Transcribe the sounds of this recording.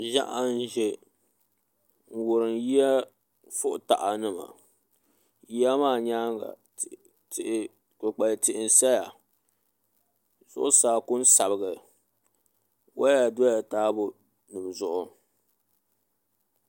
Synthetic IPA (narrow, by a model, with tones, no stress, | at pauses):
ʒa̰˦ʔa˦n˦ʒɛ˨ | ŋ̩˨wʊ˨ɾɨ˨nji˦a˦ | fʊ˦ʔʊ˨ta̰˨ʔa˨nɨ˦ma̰˨ | ji˦a˦maː˦˨ɲaː˦ŋɡa̰˨ | kʊ˨k͡pa˨ltɪ˨ʔɪ˨n̩˨sa˦ja˨ | z̥ʊ̰˦ʔʊ˦saː˨kʊ˦n˦sa˨bɨ˨ɡɨ˨ | wa˦a˨do˦ja˨taː˦bʊ˦ | nɨ˨m˨zʊ˦ʔʊ˦